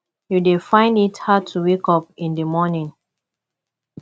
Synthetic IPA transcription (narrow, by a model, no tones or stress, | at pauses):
judefãɪ̃ndithaʊtʰuwekɔp̚ĩndəmɔnĩŋ